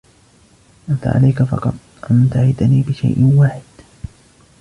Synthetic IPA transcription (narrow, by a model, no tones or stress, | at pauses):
ʔant̪a̰ʕa̰lajkafɑ̰qɑt̪ˤʔant̪ahɪd̪aniːbɪʃa̰jʔwaːħɪd̪̥